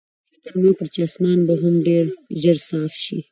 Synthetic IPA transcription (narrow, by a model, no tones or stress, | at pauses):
t̪aɾmokəɾt͡ʃeasmɑːnbaɦʊmɖeɾʒəɾsɑːfʃḭ